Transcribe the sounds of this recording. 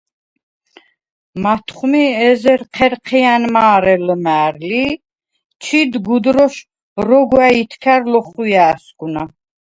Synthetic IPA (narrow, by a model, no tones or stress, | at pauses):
mat̪ʰχmiɛzɛɾqʰɛɾqʰɛanmaːɾɛlmæːɾli | t͡ʃʰid̪ɡud̪ɾɔʃ | ɾɔɡwait̪ʰkʰæɾlɔχujaːsɡuna